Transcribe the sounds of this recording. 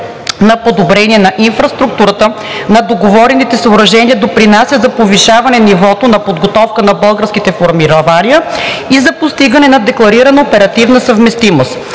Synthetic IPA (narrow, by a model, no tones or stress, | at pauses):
nɐpod̪obɾɛniɛnɐʔinfɾɐst̪ɾuk̚t̪uɾət̪ə | nɐd̪oɡovɔɾɛnit̪ɛsəoɾɐʒɛnʲiəd̪opɾinasʲəzɐpoviʃavɐnɛnivɔt̪onɐpod̪ɡot̪ɔfkənɐbɤlˠɡəɾskit̪ɛfoɾmiɾovaniəizɐpost̪iɡənɛnɐd̪ɛklˠɐɾiɾɐnəopɛɾɐt̪ivnəsɐvmɛst̪imost̪